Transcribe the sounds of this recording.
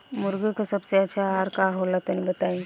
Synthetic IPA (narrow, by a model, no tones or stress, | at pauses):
mʊɾɡəkasɐbseɐtːʃʰaaɾkaɦolat̪nibət̪aːĩ